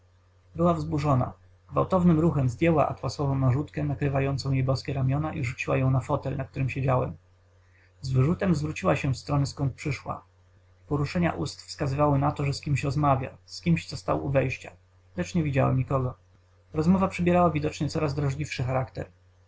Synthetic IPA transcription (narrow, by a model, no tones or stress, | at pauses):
bɘwavzbuʐɔna̰ | ɡva̰wt̪ɔvnɘmɾuxɛmzd̪jɛwa̰ʔa̰t̪waswɔvɔ̃w̃naʐut̪kɛnakɾɘvajɔnt̪sɔ̃w̃jejbɔskʲɛɾamʲjɔnaʔiʐut͡ɕiwa̰jɔ̃w̃nafɔt̪ɛlnak̚t̪uɾɘmɕed͡ʑawɛ̰m | zvɘʐut̪ɛmzvɾut͡ɕiwaɕɛfst̪ɾɔnɘskɔnt̪̚pʂɘʂwa̰ | pɔɾuʂɛɲa̰ʔust̪fskazɘvawɘnat̪ɔʐɛskʲimɕɾɔzmavʲja̰skʲimɕt̪sɔst̪a̰wṵvɛjɕt͡ɕa̰ | lɛt͡ʂɲɛvʲid͡ʑa̰wɛ̰mɲikɔɡɔ | ɾɔzmɔvapʂɛbʲjɛɾawavʲid̪ɔt͡ʂɲɛt̪sɔɾazd̪ɾaʐlʲifʂɘxaɾakt̪ɛ̰ɾ